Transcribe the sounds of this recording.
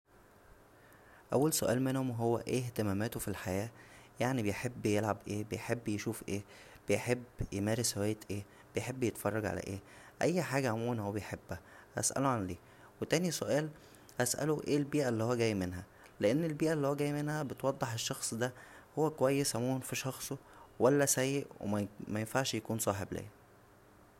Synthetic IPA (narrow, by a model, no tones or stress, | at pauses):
ʔæwːælsoʔæ̰ːlmenhomɦowːæʔeːht̪emæːmæːt̪ofilħajæːjaʕnibejħebːjelʕabʔeːbejħebːjeʃuːfʔeː | b̥ejħebːjemæːɾeswæːjːet̪ʔeː | b̥ejħebːjet̪fɑrˤːɑɡʕa̰læ̰ʔḛː | ʔæjːħaːɡæʔamuːnhowːæbejħebːæhæ̰sʔæ̰loʕanliː | wet̪æːnisoʔæːl | hæsʔæ̰loʔeːlbiːʔælːihowːæɡæːjːmenɦæ | leʔenːelbiːʔælːihowæɡæːjmenhæbet̪wɑd̪ˤːeħeʃːɑxsˤd̪æhowːækowæjːesʕamuːnfiʃɑxsˤowælːæsæjːeʔwʔḛmæmæjenfaʕʃjækuːnsˤɑːħeblʔæ̰ː